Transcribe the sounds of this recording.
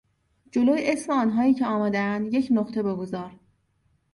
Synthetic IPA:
d͡ʒo̞loːjeesmeɒːnɦɒːiːcʰeɒːmæd̪eænd̪je̞cʰnoχt̪ʰe̞beɡozɒːɾ

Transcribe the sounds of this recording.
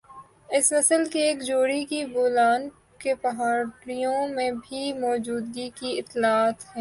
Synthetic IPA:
ɪsmɐsəlkieːkd͡ʒoːɽikiboːlaːn | kepɐɦaːɾijõmẽbʱimɔːd͡ʒuːd̪ɡikiɪt̪ːlaːt̪hɛ̃ː

